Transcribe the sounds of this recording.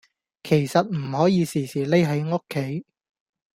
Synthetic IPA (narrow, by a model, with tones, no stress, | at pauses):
kʰe˨˩jsɐ˨t̚m̩˨˩hɔː˨˥jiː˨˧siː˨˩siː˨˩le˥jɦɐ˨˥jŋo˥kʰːe˨˥j